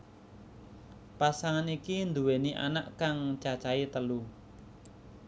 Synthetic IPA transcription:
pasaŋanikind̪uweniʔa̰naʔkaŋt͡ʃat͡ʃait̪əlu

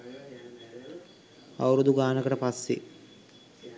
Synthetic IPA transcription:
a̰wɾud̪uɡaːnəkəʈəpasːḛ

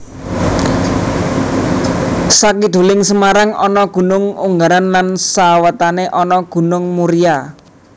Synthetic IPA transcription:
sakid̪̥ṳlɪŋsəmaɾaŋɔnɔɡ̥ṳnʊŋuŋɡaɾanlansawət̪aneʔɔnɔɡ̥ṳnʊŋmuɾija

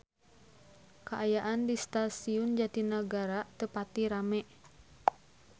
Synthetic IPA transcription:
kaʔːjaʔandist̪asiʊnd͡ʒat̪inəɡaɾat̪əpat̪iɾamɛʔ

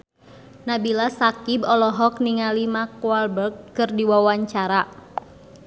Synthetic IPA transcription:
nabilasakibɔlɔɦɔk̚niŋalimakualbərɡ̚ːɨrdiwawaɲt͡ʃaɾa

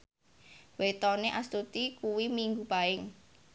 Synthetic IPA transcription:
wet̪ɔneʔast̪ut̪ikuwimiŋɡupaɪŋ

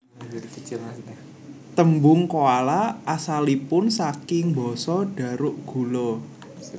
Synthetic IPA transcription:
t̪əmbʊŋkoalaʔasalipʊnsakɪŋbɔ̤sɔɖ̥a̤ɾʊʔɡ̥ṳlo

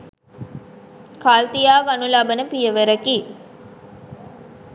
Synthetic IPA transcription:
kaːlt̪ijaːɡanulɐbənəpijəʋəɾɐki

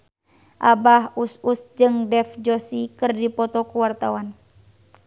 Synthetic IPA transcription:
ʔabaɦususd͡ʒɨŋdɛfd͡ʒɔsikɨrdipɔt̪ɔkuwart̪awan

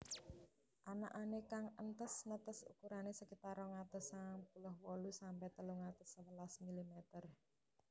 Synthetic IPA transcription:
ʔanaʔanekaŋənt̪əsnət̪əsṵkuɾanesəkit̪aɾɔŋat̪əsaŋpulɔhwɔlusampɛht̪əluŋat̪ə̥səwəlasmilimet̪ər

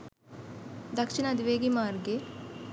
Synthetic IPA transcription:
d̪ɐkʂinɐd̪iʋeːɡimaːɾɡe

